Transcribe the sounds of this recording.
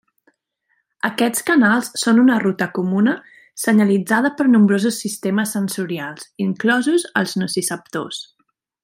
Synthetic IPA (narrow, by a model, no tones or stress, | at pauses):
əkɛt͡skənalˠssonunərut̪əkumunə | səɲəlid͡zað̞əpəɾnumbɾozusːist̪eməsːənsuɾialˠziŋklɔzuzəlˠznusisəp̚t̪o̰s